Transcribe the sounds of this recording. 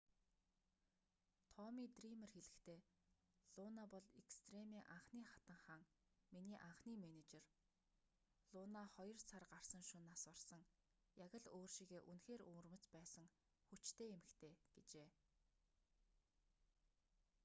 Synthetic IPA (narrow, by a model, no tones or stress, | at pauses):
t̪ʰɔmiːt̪rimerxeɮɘ̆kt̪ʰeː | ɮ̥ʊnapɔɮekst̪ʰremiːʔaɴχniːχḁt̪ə̆ɴχaːŋ | miniːʔaɴχniːmenet͡ɕer | ɮʊːnaχɔjɞ̆r̥t͡sʰarɢar̥sə̆ŋʃʊnaswə̆rsə̆ŋ | jaɣʲə̆ɮoːrʃiːɣeːʔunxeːɾṵŋrmə̆t͡spæːsə̆ŋ | xut͡ɕt̪ʰeːemɘ̆kt̪ʰeːɡ̥et͡ɕeː